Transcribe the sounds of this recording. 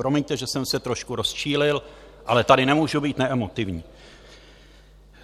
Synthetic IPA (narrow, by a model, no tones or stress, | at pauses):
ɾo̞miɲt̪ɛʒɛsɛmsɛt̪ɾo̞ʃkuɾo̞sʃiːlɪl | ʔalɛt̪adɪnɛmuːʒubiːt̪nɛʔɛmot̪ɪvɲiː